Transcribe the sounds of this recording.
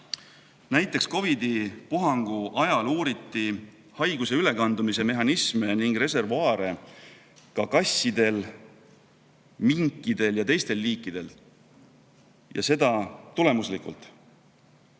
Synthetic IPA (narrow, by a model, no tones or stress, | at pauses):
næjt̪ːˑeksko̞vid̪ipuɦɑŋɡ̥uʔɑjɑluːɾit̪ːˑi | hɑjɡ̥use̞yle̞kɑnd̪̥umise̞me̞ɦɑnismeniŋɡ̥re̞se̞rvɑːɾe̞ | kɑkɑsːid̪̥e̞l | miŋkˑːid̪̥e̞ljɑt̪e̞jst̪e̞lːiːkˑːid̪̥e̞l | jɑ̰se̞d̪̥ɑt̪ule̞muslikṵlt̪ˑ